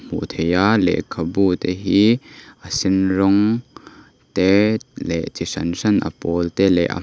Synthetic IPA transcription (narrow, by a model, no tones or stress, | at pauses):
m̥ṵt̪ʰɛjalɛ̰ʔkʰɐbut̪ɛɦiʔəsɪnrɔŋ | t̪ɛlɛʔt͡sisɐnsɐnʔɐ̰pɔlt̪ɛlɛ̰ʔa̰